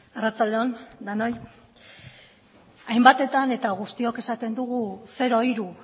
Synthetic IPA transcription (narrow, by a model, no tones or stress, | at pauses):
arat͡sald̪eo̞nd̪ano̞j | ajmbat̪e̞t̪ane̞t̪aɣ̞ust̪io̞ke̞sat̪e̞nd̪uɣuse̞ɾo̞iɾu